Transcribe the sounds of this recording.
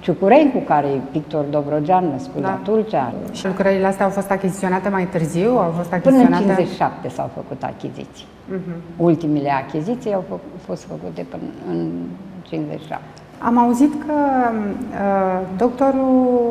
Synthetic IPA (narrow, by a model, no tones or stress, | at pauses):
t͡ʃukuɾenʲkukaɾejvik̚t̪ord̪obɾo̞d͡ʒanːəskuzt̪ult͡ʃaʃilukɾəɾileast̪eawfo̞st̪akʲizi̥t̪io̞nat̪emajt̪ɨrziwawfo̞st̪akpɨnəɨnt͡ʃinzet͡ʃi̥ʃap̚t̪e̞sa̰wfəkut̪a̰kʲizḭt̪si̥j̩ | ult̪imile̞akʲizit̪sijawfo̞st̪fəkut̪e̞pɨnɨnt͡ʃinzḛt͡ʃi̥ʃa̰p̚t̪eea̰mauzit̪kʰə | əd̪okt̪o̞ɾu